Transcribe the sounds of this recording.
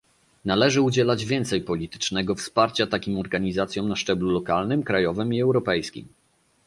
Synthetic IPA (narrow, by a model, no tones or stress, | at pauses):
nalɛʐɘud͡ʑɛlad͡ʑvʲjɛnt̪sɛjpɔlʲit̪ɘ̥t͡ʂnɛɡɔfspaɾt͡ɕat̪akʲimɔɾɡaɲizat̪sʲjɔ̃wmnaʂt͡ʂɛblulɔkalnɘmkɾajɔvɘmiɛwɾɔpɛjskʲḭm